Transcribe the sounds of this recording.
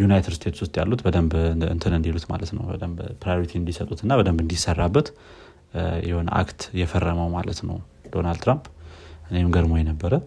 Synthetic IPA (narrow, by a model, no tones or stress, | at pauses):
junajt̪ʰɨd̪st̪ʰe̞t̪swʊst̪ʼja̰lːut̪bəd̪əmbɨ̰nt̪ʰɨnɨnd̪elut̪ma̰lət̪nə̰wbə̰d̪əmbpɾajoɾit̪ʰind̪isət̪ʼut̪ɨnːabəd̪əmbɨnd̪isərːabːət̪ | jɛhonʔa̰kt̪jɛfərːəməwmalət̪nə̰w | d̪̥o̞nald̪t̪ʰɾampʔɨneɡəɾmojɛnəbːəɾə